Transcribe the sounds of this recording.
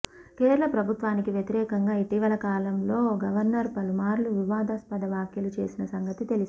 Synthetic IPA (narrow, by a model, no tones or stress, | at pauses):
keːɾulɐpɾɐbʱut̪ʋaːnikiʋjɐt̪iɾɛːkɐŋɡaːiʈiːʋɐlɐkaːlɐmlo̞ːɡɐʋɐɾnɐɾpɐlumaːɾluʋiʋaːd̪aːspɐd̪ɐʋaːkjɐlut͡ʃe̞̰ːsinɐsɐŋɡɐt̪it̪e̞li